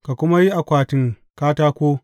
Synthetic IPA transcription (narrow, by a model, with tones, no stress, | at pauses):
ka˨kʷʊ˦ma˦ji˦ʔa˨kʷaː˨tɪ˦ŋ | kaː˦taː˦kʷoː˦